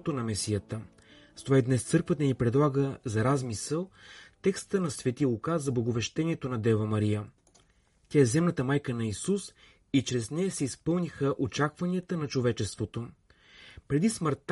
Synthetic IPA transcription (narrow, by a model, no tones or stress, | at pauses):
t̪onɐmɛsijət̪ə | st̪ovaid̪nɛst̪sɤɾkvət̪ənipɾɛd̪lˠaɡəzɐɾazmisəlˠt̪ɛkst̪ənɐsvʲɛt̪ilˠʊkazɐblˠɐɡovɛʃt̪ɛniɛt̪onɐd̪ɛvəmɐɾijə | t̪ʲaɛzɛmnət̪əmajkənɐisus | it͡ʃɾɛznɛjɐsɛispɤlˠnʲixəʔot͡ʃakvɐniət̪ənɐt͡ʃovɛt͡ʃɛst̪vot̪o | pɾɛd̪isməɾt̪